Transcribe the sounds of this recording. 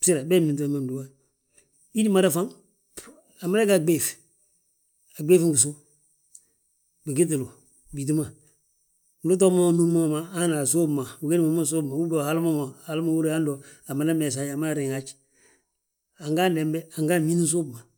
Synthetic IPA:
si˦ɾa˨bɛ˦mi˨i˨t̬o˦˨˦ma˦˨du˨wa˦ | i˦di˦ma˦ɾa˦fa˦ŋ | a˨ma˦ɾɛ˦ka˨ɡ͡be˦˨f | a˨ɡ͡be˦fi˦ŋ˦ɡu˨so˦ | bi˨ki˦t̬lo˨ | bi˨t̬i˦ma˨ | lu˦t̬ɔ˦ma˦nu˦ma˦˨ma˨a˦na˨so˦bma˨u˨ke˦ni˦ma˨˦ma˦˨s̬o˦bma˨wu˦bo˦˨ha˦lu˦ma˦ma˨ha˨lma˦wu˦ɾe˦a˦ndɔ˨a˨ma˨la˦mɛ˨s̬a˨a˨maː˦˨ɾi˨ŋa˦t͡ʃ | a˨ŋɡa˦ndɛ˨m˦bɛ˦a˨ŋɡa˦˨mi˦ni˦s̬o˦bma˨

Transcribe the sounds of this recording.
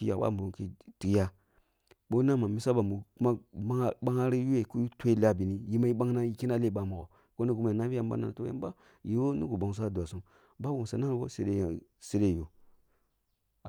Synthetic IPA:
i˦ja˨ba̰˦˨mu˨u˨˦kḭ˦ti˨i˦ja˦ | ɓo˦na˦ma˨mi˦sa˦ba˨mu˨ku˦ma˦ma˦ŋ˦ɓa˦ŋa˦ɾi˦ju˦e˨ko˦ju˦tʷe˦i˦la˦˨bi˨ni˦ji˦ma˦i˦ɓa˦ŋna˦ji˦ki˦na˦le˦˨ɓa˨ma˨ɡo̰˨ | ko˦ni˦ɡu˦ma˨na˦fi˦a˦mba̰˦na̰˨n˨to˦a̰˦mba˦ | ji˨wo˦ni˦ɡu˨ba˨ŋ˨s̬a˦du˨a˨su˦m | ba˦bo˨sa˨na˦bo̰˦sḛ˨˦ɾe˦˨se˦ɾe˦˨jo˨

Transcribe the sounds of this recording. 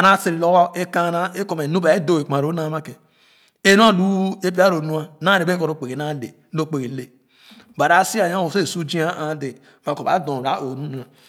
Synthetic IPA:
a˨na˦si˨ɾi˨lo˦wo˦e˦ka˦na˦e˦ko˨m˨e˨nu˦ba˨e˦do˦˨e˨k͡pa˨ɾo˦na˦ma˦ke˨ | e˦nu˦a˦˨du˦e˦p̬i˦a˦ɾo˨nu˦a˦na˦ɾe˨be˦ko˨ɾo˨k͡pe˨ɣe˨na˦le˨˦o˦k͡pe˨ɣi˨˦le˨ | ba˨ɾa˨˦si˦a˨a˦o˨se˦˨su˦d͡ʒi˦a˦a˨˦de˨ | ma˨ko˨ba˨˦dõ˨ɾa˦ʔo˨nu˦nu˨˦a˨

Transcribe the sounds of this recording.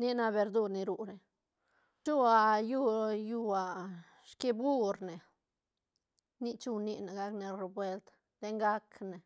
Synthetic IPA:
ni˦na˧be˧ɾd̪u˧ɾni˧ɾu˧˨ɾe˨ | t͡ʃu˦a˨ju˧ju˧a˨ | ʃki˧bu˦ɾne˨ | ni˦t͡ʃu˧ni˦ne˨ɡa˧kne˧ɾe˧bwe˧lt̪ | d̪̥e˦ŋɡa˦kne˨

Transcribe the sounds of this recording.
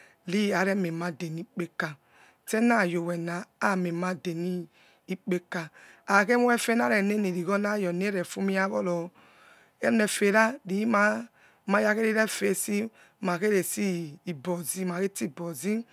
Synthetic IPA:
li˦a˨ɾe˦me˨ma˦de˨ni˦k͡pe˦ka˨ | te˦na˦˨jo˨wɛ˨naː˨˦˨me˨ma˦de˨niː˦ | k͡pe˦ka˨a˨ke˦mu˦e˦fe˦na˦ɾe˨ne˦ne˨ɾi˨ɣo˦na˦˨jɔ˨ne˦ɾe˨fu˦mi˦a˦βɔ̰˦lɔ˨ | e˦ne˨fe˨ɾa˦li˨˦ma˦ | ma˦ja˦ke˦ɾi˦ɾe˦fe˦˨si˦ | ma˨ke˦ɾe˨si˦i˨bɔ˨zi˦ma˨ke˦ti˦˨bɔ˨zi˦

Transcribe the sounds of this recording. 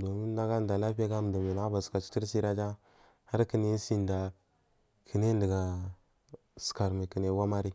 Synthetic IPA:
do˨mi˦n˦da˦ɡa˦n˨da˨la˦pi˦a˦ɡa˦m˨da˨me˨na˨a˦ba˨ska˨t͡ʃi̥˦ti˦ɾsi˦ɾa˦d͡ʒa˦ | ha˦ɾkə˦ne˦si˦nda˨ | kʰə˨ne˦də˨ɡa˨ | ska˨ɾme˨kə˨ne˨˦wa˦ma˦ɾi˦

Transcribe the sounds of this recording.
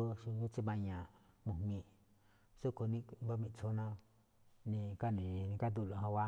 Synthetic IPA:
o˦ʃi˧˦t͡ʃi˦mã˧ɲã˨ | mũ˨mĩ˧ | so˦ko˧nĩ˦ba˦mĩ˧˨t͡so˧˦nã˧ | nĩ˧ka˦nĩ˨˧nĩ˧ka˦d̪u˧˨lo˨hã˧wa˦

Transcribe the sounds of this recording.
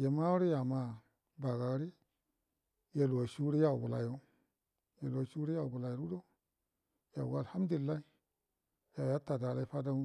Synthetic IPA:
ja˨ma˦wu˦ɾi˦ja˨ma˨ | ba˨ɡa˨ɡɾi˦ | ja˨lu˨wa˨ʃu˦ɾi˦ja˦˨u˨bu˨la̰˨jo˦ | ja˨lu˨a˨ʃu˦ɾi˦ja˦˨u˨bu˨la˨jo˨ɾu˦do˦ | ja˨ṵ˨ɡa˨ha˦m˦du˨i˨lːa˦i˦ | ja˨ja˦ta˨da˨la˦i˦fa˦da˦

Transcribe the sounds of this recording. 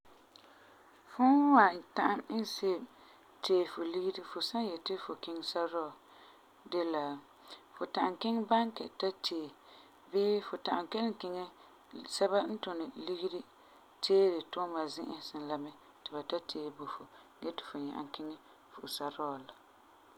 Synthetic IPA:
fʊ˦wa˨ta˦ʔa˦m˦n˦se˦˨ | teː˦˨fʊ˨li˦ɡi˦di˦fʊ˨sa˦jɛ˨tɪ˦fʊ˨kɪ˦ŋ˦sa˦ɾɔ˦˨ | de˦la˨ | fʊ˨ta˨ʔa˨ŋkɪ˦ŋba˦ŋkɛ̰˨ta˦tʰeː˨ | beː˦fʊ˨ta˨ʔa˨mkɛ˦lɪ˦kɪ˨ŋɛ˦ | sɛ˦ba˦n̩˦tʊ˨nɪ˨li˦ɡi˦ɾi˦ | tʰeː˦ɾɪ˨tʊ˦ma˨zɪ˦ʔɪ˨sɪ˨nla˨mɛ˦ | tɪ˨ba˨ta˦tʰeː˦˨bo˨fʊ˨ | ɡɛ˦tɪ̥˨fʊ˨ɲa̰˨ʔa̰˨ŋkɪ˦ŋɛ˦ | fʊ˨sa˦ɾɔ˦˨la˨

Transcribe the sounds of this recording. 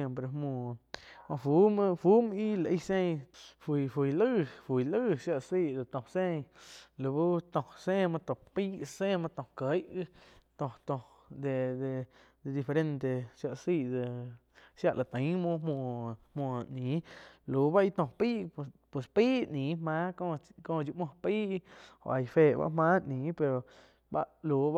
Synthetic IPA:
e˧mpɾe˧mõ˧˨ma˧fu˦m˧fu˦mi˦la˨˧i˦˧sẽ˦˧fi˧˨fi˨˧˨lɨ˦fu˨jlɨ˦ʃja˧ʔsi˦˧d̪e˨t̪õ˨sẽ˦ɲlu˨bu˦t̪õ˧˨sẽ˦˧ma˧t̪õ˧˨pi˦sẽ˧ma˧t̪õ˧˨kə˨˧jɡɨ˧t̪õ˧˨t̪õ˧ | d̪e˧d̪e˧ | d̪e˧˨d̪i˧fe˧ɾe˧nt̪e˧ʃja˧ʔsi˧˨ʔd̪e˧˨ | ʃja˧˨ʔlʔa˨t̪ə̃˨˦mõ˧˦mõ˧˨hmõ˧˨nĩ˨˦lu˨˦ba˦i˧t̪õ˧˨piː˦ʔpwe˨spiː˦ʔnĩː˨˦hmã˦ko˦˧kõ˧˨˧d͡ʒu˧ʔmõ˧piː˦ʔo̰˧˨ʔa˧jfe˧˨ba̰˦ʔmãː˦ʔnĩː˨˦pe˧ɾo˨ | ba˦ʔlu˨b

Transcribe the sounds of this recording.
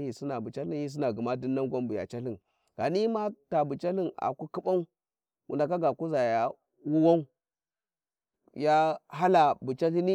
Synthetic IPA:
i˨si˦na˨bu˨t͡ʃa˦li˦i˦s̬i˦na˨ɡi˨ma˦di˦nːa˦ŋɡʷa˦mbu˨ja̰˨t͡ʃa˦li˨n | ɡ̥a̰˨ni˦ma˦ta˨bu˨t͡ʃa˦li˦na̰˨ku˦ki˦ɓa˦u˦ | wʔṵ˨nda˨ka˦ɡa˨ku˦za˨ja˨ | wu˦wa˦u˦ | ja˦ɦa˦la˨bu˨t͡ʃa˦ɬi˦ni˦

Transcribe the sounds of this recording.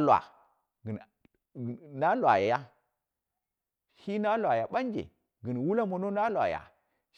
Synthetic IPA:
lwa̰˨ | ɡn˨ | na˦la̰˨ja˨ja˦ | hi˦na˦lwa˨ja˨ɓa˦nd͡ʒḛ˨ | ɡi˨n˨wu˦la˦mo˨no˦na˦lʷa̰˨ja̰˨

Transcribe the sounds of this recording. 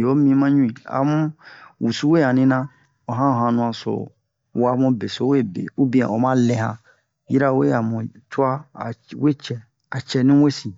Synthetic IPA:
o˦mĩ˦mã˦ɲũ˦ĩ˨a̰˨mũ˦wu˨su˦we˦ã˨nĩ˦nã˦ | o˨ɦã˦o˨ɦã˨nũ˨ã˨so̰˨ | wa˨˦mũ˦be˨so˨˦we˦˨bḛ˨u˦bĩ˦ã̰˨o˨mã˦lɛ̃˨ɦã̰˨ | ji˦ɾa˦we˦a˨mũ˨tu˦a˦˨we˦t͡ʃɛ˨ | a˨t͡ʃɛ˨nĩ˦we˦si˨

